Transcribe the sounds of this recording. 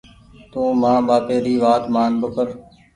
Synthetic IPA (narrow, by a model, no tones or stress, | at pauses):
t̪ũːmãːɓaːpeːɾiːʋaːt̪maːnbəkʰəɾ